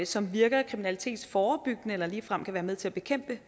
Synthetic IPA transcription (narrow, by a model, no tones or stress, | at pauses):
sɒ̽mʋiɐɡ̥ɐkʰʁiminælit͡sʰe̝̰ːd̥sfɒːb̥yɡ̥nəelɐliːfʁam̰kʰæʋæːɐmeð̞ˠt͡sʰe̝læb̥e̝kʰem̰b̥ə